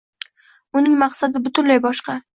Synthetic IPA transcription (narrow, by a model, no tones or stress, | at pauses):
ʊnɪŋmɑqsad̪ɪbʊt̪ʊnlajbɒʃqɑ